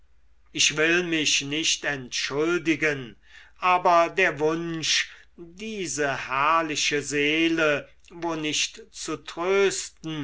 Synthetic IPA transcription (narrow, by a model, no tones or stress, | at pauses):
ɪʃv̥ɪlmɪʃnɪʃtɛntʃʊldɪɡən | ʔaːbɐdeːɐvʊnʃ | diːzəhæɐlɪʃəzeːlə | voːnɪʃtt͡sutʁøːstn̩